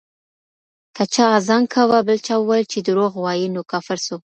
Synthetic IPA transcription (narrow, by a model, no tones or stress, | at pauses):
kat͡ʃɑːzɑŋkʰawabəlt͡ʃɑwəwajlt͡ʃed̪əɾoɣwɑjinokafaɾso